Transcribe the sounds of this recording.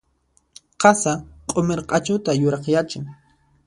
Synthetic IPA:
qɑsaqʼomeɾqʼɑt͡ʃʊt̪ajʊɾɑχjat͡ʃɪŋ

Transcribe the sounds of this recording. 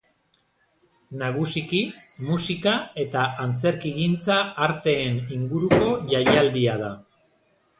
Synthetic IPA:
naɣ̞usiki | musikae̞t̪aʔant͡se̞ɾkiɣint͡saːɾt̪e̞ːniŋɡuɾuko̞ʝajald̪iað̞a

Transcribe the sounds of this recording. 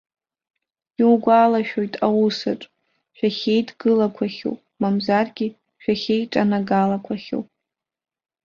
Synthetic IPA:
iwɡʷaːlaʃᶣo̞jtʼawusaʈ͡ʂʼ | ʃᶣaχʲe̞jdɡɨlakʷʰaχʲo̰wpʼmamzarɡʲi | ʃᶣaχʲe̞jʈ͡ʂʼanaɡalakʷʰaχʲo̰wpʼ

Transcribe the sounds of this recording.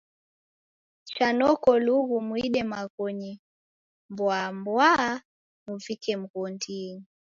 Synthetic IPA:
t͡ʃanɔkɔluɣumwiɗɛmaɣɔɲi | mbwambwaː | muvikɛm̩ɣɔndini

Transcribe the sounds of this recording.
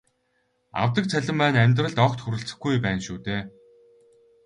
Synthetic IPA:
a̰wt̪ə̆k̚t͡sʰæɮʲɪ̆mːæːnæmʲt̪rə̆ɮt̪ɔkt̪xuɾɘ̆ɬt͡sɘ̥̆xɡujpæːnʃuːt̪eː

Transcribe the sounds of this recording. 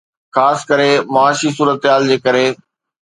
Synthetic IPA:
xaːskəɾemɐaːʃisuːɾət̪ɪɦaːld͡ʑeːkɐɾe

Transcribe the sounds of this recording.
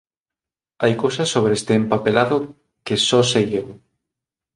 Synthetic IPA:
ajkowsɐsːoβɾest̪eːmpapelaðo | kesɔsejew

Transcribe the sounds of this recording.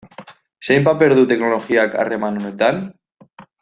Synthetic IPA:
sejmpape̞ɾð̞ut̪e̞knolo̞xiaka̰re̞manonet̪an

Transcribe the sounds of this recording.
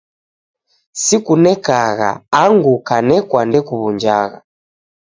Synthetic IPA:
sikunɛkaɣa̰aŋɡukanɛkwandɛkuβund͡ʒaɣa̰

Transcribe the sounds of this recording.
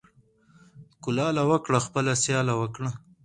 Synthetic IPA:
kʊlɑːlawəkɽaxpəlasjɑːlawəkɽa

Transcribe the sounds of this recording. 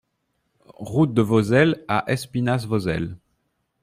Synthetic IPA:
ʁut̪̚d̪əvozɛla̰ʔɛspinasvozɛl

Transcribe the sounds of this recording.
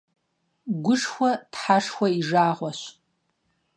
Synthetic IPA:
ɡʷʊʂxʷɐtħaʂxʷɐiʐaːʁʷɔɕ

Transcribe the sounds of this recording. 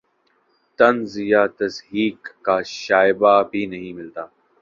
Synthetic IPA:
t̪ɐnzɪjat̪ɐsɦiːkːaːʃaːɪbabʱinɐɦĩmɪlt̪aː

